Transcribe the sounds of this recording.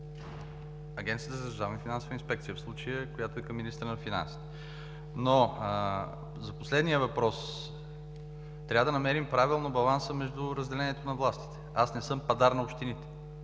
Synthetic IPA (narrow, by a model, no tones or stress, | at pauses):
ɐɡʲɛnt̪ijət̪əzɐzɾuzavnəfinansovəinspɛkt̪sijəfslˠut͡ʃəjəkojat̪ʊɛkɐmːinist̪ɾənɐfina̰nsi̥t̪ɛ̥ | no | zɐposlɛd̪nijəvɐpɾɔs | t̪ɾʲavəd̪ɐnɐmɛɾimpɾavilˠnobɐlˠansəmɛʒd̪ʊɾəzd̪ɛlɛniɛt̪onɐvlˠast̪i̥t̪ɛ̥asnɛsɤmpɐd̪aɾnɐopʃt̪init̪ɛ̥